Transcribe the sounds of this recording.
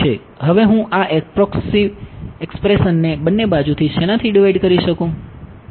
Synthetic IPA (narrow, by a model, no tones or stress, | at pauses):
e | ɦəʋeɦũʔaʔepɾɔkesiʋekspɾesənːebənːebad͡ʒut̪ʰiʃenat̪ʰiɖiʋaiɖkəɾiʃəkũ